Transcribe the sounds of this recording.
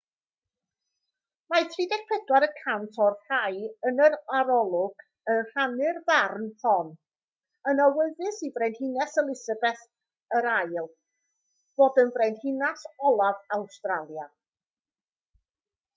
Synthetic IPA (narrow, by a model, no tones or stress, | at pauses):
majtʰriːdɛk̚pʰɛdwaɾəkʰantʰɔrrajənəɾaɾɔlˠʊɡ̥ | ənr̥anɨrbarnpʰɔn | ənawɛðɨsivrɛjndhɪnɛsəlˠɪsabɛθ | əɾajlˠ | b̥oːdənvrɛjndhɪnasɔlˠavawstralˠja